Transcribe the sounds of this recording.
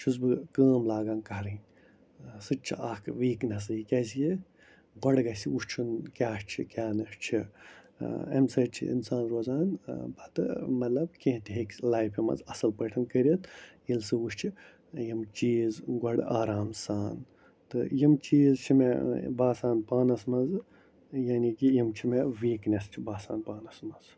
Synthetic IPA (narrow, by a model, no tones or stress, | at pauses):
t͡ʃʰuzbɨkəːmlaːɡaːnkɐɦɾɐnʲ | sɨt͡ʃʰiakʋiːknɐs̬ɨikʲɐsije | ɡɐɽɡɐsiuʃt͡ʃʰunkʲaːʃt͡ʃʰikʲaːnɐʂt͡ʃʰi | ḛmsɐt͡ʃʰḭḭnsaːnɾoːzaːnbɐt̪ɨmɐt̪lɐb̚kẽɦt̪iɦeklaːjpʰimɐ̰zɐsɐlpəʈʰɐnkɐɾiɐt̪ʰjilsɨuʃt͡ʃʰi | jimt͡ʃiːzɡɐɽaːɾaːmsaːn | t̪ɨjimt͡ʃiːzt͡ʃʰimebaːsaːnpaːnɐsmɐnz | jaːnikijimt͡ʃʰimeʋiːknʲɐst͡ʃʰibaːsaːnpaːnɐsmɐz̥